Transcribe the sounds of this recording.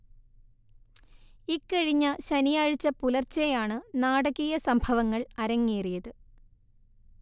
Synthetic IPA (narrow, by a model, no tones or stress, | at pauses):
ikːɐɻiɲːɐɕɐnijaːɻit͡ɕːɐpulɐrt͡ɕːejaːɳɨnaːɽɐɣijɐsɐmbʱɐʋɐŋːɐɭɐɾɐŋːijɐrijɐðɨ